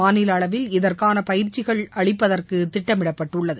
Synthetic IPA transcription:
aːnɪlɐɭɐʋɪlɪðɐrkaːnɐpɐjɪɾt͡ʃːɪɣɐɭɐɭɪpːɐðɐrkɯt̪ːɪʈːɐmɪɽɐpːɐʈːɯɭːɐðɯ

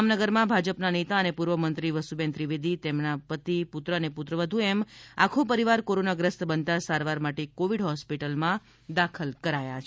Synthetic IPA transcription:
mnəɡəɾmãbʱad͡ʒəpnanet̪aənepuɾʋəmənt̪ɾiʋəsubẽnt̪ɾiʋid̪it̪emnapət̪iput̪ɾəneput̪ɾəʋəd̪ʱũema̰kʰopəɾiʋaɾkoɾonaɡɾəst̪bənt̪asaɾʋaɾmaʈekoʋiɖɦɔspiʈəlmã | d̪akʰəlkəɾajat͡ʃʰ

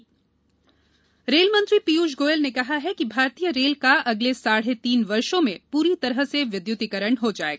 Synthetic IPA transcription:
ɾeːlmɐ̃nt̪ɾipijuːʃɡoːjəlnekɐɦaɦɛkibʱaːɾt̪ijəɾeːlkaʔɐɡlesaːɽ̤et̪iːnʋɐɾʃõmẽpuːɾit̪ɐɾəɦseʋɪd̪jʊt̪ikəɾəɳɦod͡ʒaːeɡaː

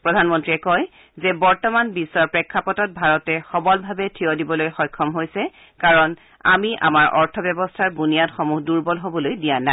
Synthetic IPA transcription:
pɹɔdʱanmɔntɹiɛkɔj | zɛbɔɹtɔmanbisːɔɹpɹɛkʰːapɔtɔt̚bʱaɹɔtɛxɔbɔlbʱabɛtʰiɔdibɔlojxɔjkʰːɔmɦojsɛ | kaɹɔn | a̰miʔa̰maɹʔɔɹtʰɔbjɔbɔstʰaɹbunijatxɔmuhduɹbɔlɦobɔlojdijana

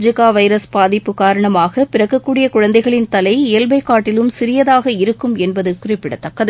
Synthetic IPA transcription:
d͡ʒɪkaːʋɐɪɾɐsbaːðɪpːɯkaːɾɐɳɐmaːɣɐpɪɾɐɣɐkːuːɽɪjɐkʊɻɐnd̪ɐɪɣɐɭɪnt̪ɐlɐɪeːlbɐɪkːaːʈːɪlɯmsɪɾɪjɐðaːɣɐɪɾɯkːɯmɛnbɐðɯkʊrɪpːɪɽɐt̪ːɐkːɐðɯ

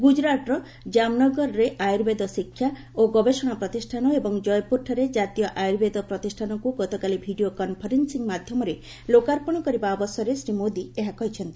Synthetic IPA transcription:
ɡud͡ʒɾaʈɾɔ | d͡ʒamnɔɡɔɾɔɾeʔajuɾbed̪ɔsikʰːja | oɡɔbesɔɽ̃apɾɔt̪isʈʰanɔebɔŋd͡ʒɔjpuɾʈʰɔɾed͡ʒat̪ijɔʔajuɾbed̪ɔpɾɔt̪isʈʰanɔkuɡɔt̪ɔkalibʱiɖiokɔnpʰɔɾensiŋmad̪ʱjɔmɔɾe | lokaɾpɔɽ̃ɔkɔɾibaɔbɔsɔɾesɾimod̪ieɦakɔɦit͡ʃʰɔnt̪i̥

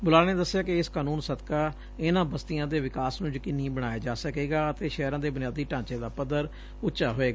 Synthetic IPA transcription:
bʊlaːneːd̪əsːɪjaːkɪɪskaːnuːnsət̪kaː | ɪnãːbəst̪ɪjãːd̪eːʋɪkaːsnũːd͡ʒkɪnːĩːbəɽ̃aːjaːd͡ʒaːsəkeːɡaːət̪eːʃɛːɾãːd̪eːbʊnɪjaːd̪iːʈãːt͡ʃẽːd̪aːpəd̪əɾ | ʊtːʃaːɦoːeːɡaː

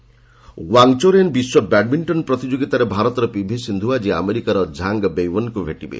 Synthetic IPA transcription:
waŋt͡ʃoɾenbiswɔbɛɖ̚miɳʈɔnpɾɔt̪id͡ʒoɡit̪aɾebʱaɾɔt̪ɔɾɔpibʱesind̪ʱuad͡ʒia̰meɾikaɾɔd͡ʒʱaŋɡbejwɔnkubʱeʈibḛ

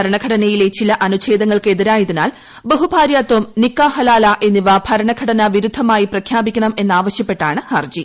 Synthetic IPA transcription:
ɐɾɐɳɐɡʱɐɽɐnɐjile̞t͡ɕilɐʔɐnuɕe̞ːd̪ɐŋːɐɭke̞ðiɾaːjɐðina̰ːl | bɐɦubʱaːɾjaːt̪wɐmnikːaːhɐlaːlaʔe̞nːiʋabʱɐɾɐɳɐɡʱɐɽɐnɐʋiɾud̪ʱːɐmaːjiprɐkʰjaːbikʲːɐɳɐme̞nːaːʋɐɕjɐpːe̞ʈːaːɳɨhɐrd͡ʑi

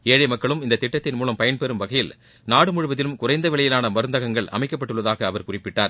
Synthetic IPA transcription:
eːɻɐmɐkːɐɭɯmɪnd̪ɐt̪ːɪʈːɐt̪ːɪnmuːlɐmpɐjɐnpɛɾɯmʋɐɣɐjɪl | naːɽɯmʊɻɪʋɐðɪlɯmkʊrɐɪnd̪ɐʋɪɭɐjɪlaːnɐmɐɾɯnd̪ɐɣɐŋɡɐɭʔɐ̰mɐɪkːɐpːɐʈːɯɭːɐðaːɣɐːʋɐɾkʊrɪpːɪʈːaːɾ

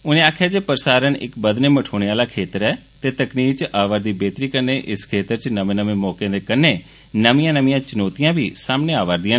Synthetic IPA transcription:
ʊnẽːaːkʰjaːd͡ʒeːpəɾsaːɾənɪ̰kbəd̪neːməʈʰoːɽ̃eːaːlaːkʰeːt̪əɾɛː | t̪eːt̪əkniːkt͡ʃʔaːʋəːɾd̪iːbeːt̪ɾiːkəɾneːʔɪskʰeːt̪əɾt͡ʃnəmẽːnəmẽːmɔːkẽːd̪eːkəneː | nəmijãːnəmĩjãːt͡ʃənoːt̪ɪjãːbʱḭːsaːmneːaːʋaːɾd̪ɪãː

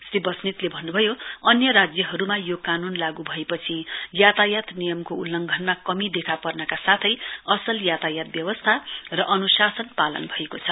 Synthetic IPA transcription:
sribʌsnit̪lebʱʌnːubʱʌjoʌnjʌɾad͡zjʌɦʌɾumajokanunlaɡubʱʌepʌt͡sʰijat̪ajat̪nijʌmkoulːʌŋɡʱʌnmakʌmid̪ekʰapʌrnʌkasat̪ʰʌjʌsʌljat̪ajat̪̚bjʌbʌst̪ʰarʌʔʌnusasʌnpalʌ̰nbʱʌekot͡sʰʌ

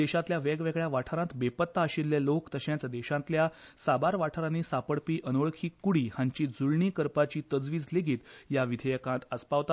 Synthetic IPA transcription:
d̪ɛɕãt̪ljaʋeɡʋeɡɭjaʋaʈʰəɾãt̪bepət̪ːaəɕilːelokt̪əɕẽt͡sd̪ɛɕãt̪ljasabaɾʋaʈʰəɾanisapəɽpiːʔənəɭkʰiːkuɽiːhãɲt͡ɕiːd͡zuɭɳikəɾpat͡ɕiːt̪əd͡zʋiːd͡zleɡʱiːt̪jaʋid̪ʱəjəkãt̪əspaʋt̪at̪

